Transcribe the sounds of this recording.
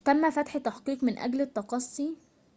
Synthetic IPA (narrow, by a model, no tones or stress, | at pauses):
t̪æmːæfæt̪ħt̪ːɑħqiːqmɪnʔæ̰ɡlet̪ːɑqɑsˤːi